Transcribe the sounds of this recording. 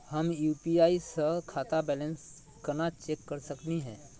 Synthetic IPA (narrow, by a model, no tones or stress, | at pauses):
həmjuːpiaːisəkʰaːt̪abɛlə̃ns | kənat͡ʃeːkːəɾsəkniɦɛ̃ː